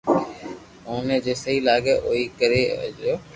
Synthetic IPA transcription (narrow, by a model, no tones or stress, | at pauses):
oːnẽːd͡ʒeːsəɦiːlaːɡeːʔoːiːkəɾḛːd͡ʒɾjoː